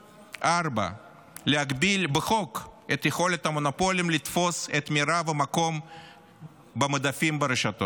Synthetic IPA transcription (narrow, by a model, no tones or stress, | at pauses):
ʔarba̰ | leɦaɡbilbeχo̞ket̪jexo̞let̪hamo̞napo̞limlit̪fo̞set̪miɾavemako̞m | bemad̪afimbeɾeʃat̪o̞